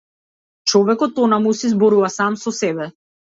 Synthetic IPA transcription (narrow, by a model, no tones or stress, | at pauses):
t͡ʃɔvɛkɔt̪ːɔnamusizbɔɾuvasamsɔsɛbɛ